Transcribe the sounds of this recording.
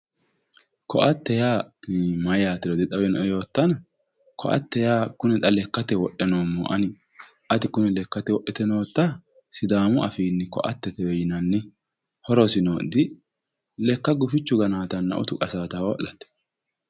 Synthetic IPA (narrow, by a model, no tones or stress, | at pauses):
kɔ̰ʔɐt̪ːɛjaːmɐjaːt̪ːɪɾɔd̪ɪt̪ʼɐwɛnɔʔɛjo̞ːt̪ːɐnɐ | kʰɔ̰ʔɐ̰t̪ːɛjaːkʊnɛt̪ʼɐlɛkːɐt̪ɛwɔɗːɛnoːmːɔ̰ʔɐnɪ | ʔɐt̪ɪkʊnɛlɛkːɐt̪ɛwɔʔːɛt̪ɛnoːt̪ːɐ | sɪd̪aːmʊɐfiːnːɪkɔ̰ʔɐt̪ːɛt̪ɛjɔjɪnɐnːɪ | hɔɾɔsɪnoːd̪ɪ | lɛkːɐɡʊfɪt͡ʃːʊɡɐnaːt̪ɐnːɐ̰ʔʊ̰t̪ʊkʼɐsaːt̪awɔ̰ʔɐt̪ːɛ̥